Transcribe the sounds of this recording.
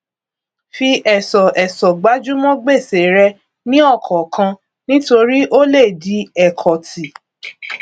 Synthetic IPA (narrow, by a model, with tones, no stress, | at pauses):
fi˧ʔɛ˨sɔ˨ʔɛ˨sɔ˨ɡ͡ba˨˦d͡ʒu˦mɔ̃˦ɡ͡be˦˨se˨˦ɾɛ˧ | nĩ˦ɔ˦˨kʰɔ˨kʰã˧ | nĩ˦to˧ɾi˦ʔo˦le˦˨di˨˦ɛ˦˨kʰɔ˨ti˨